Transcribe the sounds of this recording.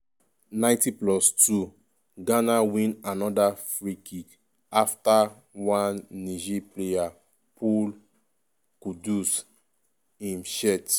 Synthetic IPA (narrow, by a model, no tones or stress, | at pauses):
nãɪ̃ntiplɔstu | ɡanawĩnanɔdafɹikik | afta | wãnːiʒipleja | pʰul | kudus | ĩnʃɛt